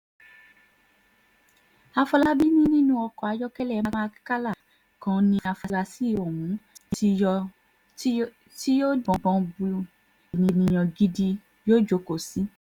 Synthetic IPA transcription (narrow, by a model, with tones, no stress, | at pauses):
a˧fɔ˧la˧bi˦nĩ˦nĩ˦nũ˦ɔ˧kɔ˨a˨˧˦d͡ʒɔ˦kɛ˦lɛ˦˨˦ma˧mã˦˧ki̥˦ka˦la˦˨ | kã˧˦nĩ˧a˧fɔ˧la˧si˦˨o˨wũ˨˦˧ | ti˦jo˦dɔ̃˨bɔ̃˨˧bu˧ | e˨nĩ˨nĩ˨j̃ɔ̃˨ɡi˦di˧ | jo˦d͡ʒo˨˦ko˨si˨˦